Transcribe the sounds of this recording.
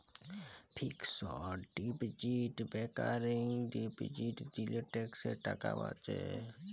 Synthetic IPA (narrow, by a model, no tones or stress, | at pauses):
pʰiksɔɖipd͡ʒiʈbekaːɾɪŋɡɖipd͡ʒiːʈd͡ʒileʈekseʈəkaʋa̰t͡ʃḛ